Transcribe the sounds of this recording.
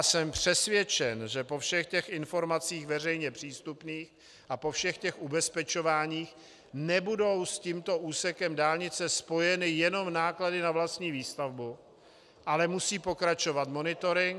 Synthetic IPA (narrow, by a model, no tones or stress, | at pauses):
sɛmpr̝̥ɛsvjɛt͡ʃɛnʒɛpo̞fʃɛxcɛxɪnfo̞ɾmat͡siːxvɛr̝ɛjɲɛpr̝̥iːst̪upniːx | ʔapo̞fʃɛxcɛxʔubɛspɛt͡ʃo̞vaːɲiːx | nɛbudo̞wsciːmt̪o̞ʔuːsɛkɛmdaːlɲɪt͡sɛspo̞jɛnɪjɛno̞mnaːkladɪnavlast̪ɲiːviːst̪avbu | ʔalɛmusiːpo̞kɾat͡ʃo̞vat̪mo̞nɪt̪o̞ɾɪŋk